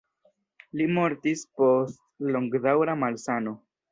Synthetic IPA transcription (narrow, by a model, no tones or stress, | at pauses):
limo̞ɾtispo̞stlo̞ŋɡdawɾamalsano̞